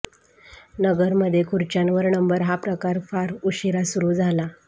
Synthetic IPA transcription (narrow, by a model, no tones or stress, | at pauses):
nəɡəɾməd̪ʱːjekʰuɾt͡ɕanʋəɾnəmbəɾɦapɾəkaɾfaɾuɕiɾasuɾuːd͡zʱala